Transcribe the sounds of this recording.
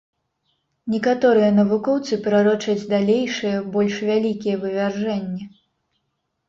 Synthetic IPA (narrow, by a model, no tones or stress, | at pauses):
nʲɛkat̪ɔɾɨjɐnɐvukɔwt̪sɨpɾaɾɔt͡ʂɐd͡zʲd̪alʲejʂɨjɛbɔlʲʂvʲalʲikʲijɛvɨvʲarʐɛnʲːɛ